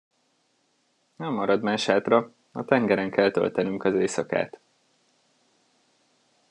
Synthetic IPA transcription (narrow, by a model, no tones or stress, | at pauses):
nɛmːɒɾɒd̪maːʃaːt̪rɒ | ɒt̪ɛŋɡɛɾɛŋkɛlt̪ø̰lt̪ɛnyŋkɒzeːsɒka̰ːt̪